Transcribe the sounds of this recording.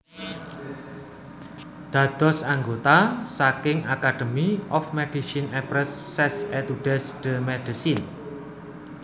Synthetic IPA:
d̪̥ä̤d̪̥ɔ̤saŋɡot̪asakɪŋakaɖ̥əmiɔfmɛd̥isinɛpɾɛsːɛsɛt̪uɖ̥ɛsd̥əmɛɖ̥əsin

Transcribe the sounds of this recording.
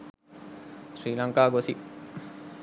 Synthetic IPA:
sɾiːlɐŋkaːɡosi

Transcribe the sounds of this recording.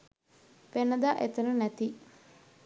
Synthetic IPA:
penɐd̪aʔet̪ɐnunɐt̪i

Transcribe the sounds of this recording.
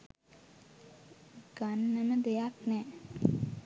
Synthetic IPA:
ɡ̥anːəməd̪ejaknɛː

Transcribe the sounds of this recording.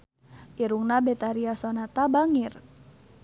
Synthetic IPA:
ʔiɾuŋnabet̪aɾiasonat̪abaŋɪr

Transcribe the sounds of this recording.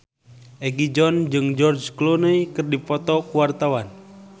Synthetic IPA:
ʔɛɡid͡ʒɔnd͡ʒɨŋd͡ʒɔrd͡ʒklonəjkɨrdipɔt̪ɔkuwart̪awan

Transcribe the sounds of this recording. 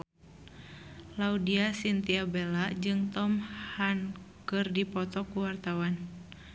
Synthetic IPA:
laudiasint̪iabɛlad͡ʒɨŋt̪ɔmhankɨrdipɔt̪ɔkuwart̪awan

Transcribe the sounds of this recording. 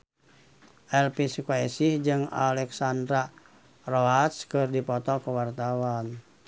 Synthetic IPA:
ʔɛlpisukɛsihd͡ʒɨŋa̰lɛksandɾa | roat̪skɨrdipɔt̪ɔkuwart̪awan

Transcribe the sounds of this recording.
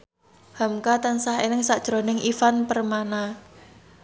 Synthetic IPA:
hamkat̪ansaɦenɪŋsaʔd̥ʒ̥ɾonɪŋʔifanpərmana

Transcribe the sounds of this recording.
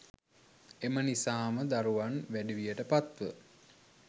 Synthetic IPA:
emənisaːməd̪aɾuʋanʋæɖiʋijəʈəpat̪ʋə

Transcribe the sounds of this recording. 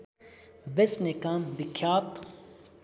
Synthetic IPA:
besnekaːmbikʰaːt̪

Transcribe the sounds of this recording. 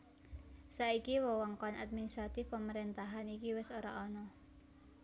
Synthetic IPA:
saikiwɔwɔŋkɔna̰t̪̚minist̪ɾat̪ɪfpəməɾint̪aɦanikiwɪsoɾa̰ʔɔnɔ

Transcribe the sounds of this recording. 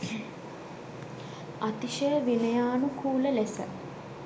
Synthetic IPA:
at̪iʃəjəʋenəjaːnukʰuːləlesə̰

